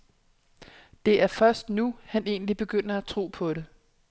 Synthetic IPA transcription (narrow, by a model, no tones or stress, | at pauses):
d̥e̝ʔæɐfɶɐsd̥nuhæne̝̰ːnlib̥e̝ɡ̥øn̰ɐæt͡sʰʁo̝̰ːpʰɒ̽ɾ̥e̝